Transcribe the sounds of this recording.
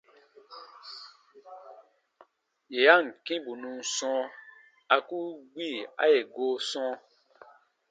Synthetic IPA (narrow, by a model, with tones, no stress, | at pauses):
je˨a˦˨ŋ̩˨kĩ˦bu˨nũ˧n̩˨sɔ̃˧˦ | a˧ku˦ɡ͡bi˦˨a̰˦je˨ɡoː˨˦sɔ̃˧˦